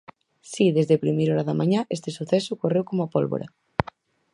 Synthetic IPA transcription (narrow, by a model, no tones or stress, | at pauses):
siðezðepɾimejɾɔɾaðamãɲaʔest̪esuθesʊkorewkomoapolβo̰ɾa̰